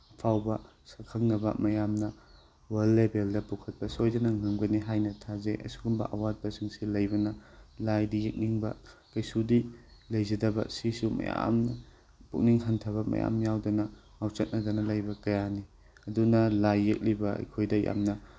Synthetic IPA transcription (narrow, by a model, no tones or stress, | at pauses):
ɐpʰawbɐ | sɐkʰɐŋnɐbɐ̰mɐjamnɐ | wɐlːebeldɐpukʰɐt̚pɐsojdɐnɐŋɯŋɡɐniɦajnɐtʰazeʔɐ̰suɡumbɐ̰ʔɐwat̚bɐsiŋsilɐjbɐnɐlajdijek̚niŋbɐkɐjsudilɐjzɐdɐbɐ̰sisumɐ̰ja̰mnɐ | puk̚niŋhɐntʰɐβɐmɐ̰ja̰mjawdɐnɐ | awt͡ʃɐt̚nɐdɐnɐlɐjbɐkɐjani | ɐdunɐlajːek̚libɐɐ̰jkʰojdɐja̰mnɐ